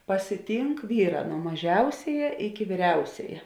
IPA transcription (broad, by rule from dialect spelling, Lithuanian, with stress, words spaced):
pɐsʲɪˈtʲiːŋk ˈʋʲiːˌrɑː nuɔ mɐˈʒʲɛʊsʲɛjɛ ɪkʲɪ ʋʲiːˈrʲɛʊsʲɛjɛ